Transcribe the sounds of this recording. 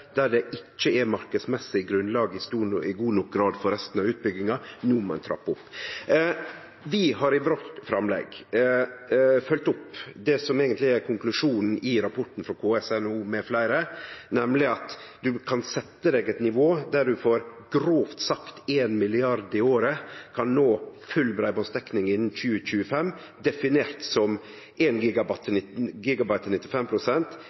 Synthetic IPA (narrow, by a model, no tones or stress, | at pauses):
d̪̥æɖɛʔɪt͡ʃːəɛmɑɾkəsmɛsːɪɪɡɾʉnlɑːɡəɪst̪uːɪɡuːnɔk̚ɡɾɑːd̪fɔɾɛst̪n̩ɑʋʉːt̪̚bʏɡːɪŋɑnuːmɔɛnt̪ʰɾɑ̰pːʊpː | ʋɪhɑɾɪʋɔʈfɾɑmlɛ̰ɡ | fœlt̪ʊpd̪ɛsɔmeːɡənt̪lɪæɾkʰʊŋklʉʂuːnn̩ɪɾɑpʰɔʈːn̩fɾɔkʰoːɛsɛnuːmɛflæɪɾənɛmlɪɑt̪d̪ʉkʰɑnsɛt̪ːəd̪ɛːɡɛt̪nɪʋoːd̪æɖʉfoːɾɡɾoːft̪sɑkt̪eːnmɪlɪɑɾd̪ɪoːɾəkʰɑnnoːfʉlbɾæɪbɑst̪ɛknɪŋɪnːn̩çʉːəc͡çʉːəfɛm | d̪ɛfɪneːɾt̪sɔm | ʔeːnɡiːɡɑbt̪ʰːɪɡiːɡɑbɑɪt̪ːɪnɪt̪ːɪfɛmpʰɾʊsɛnt̪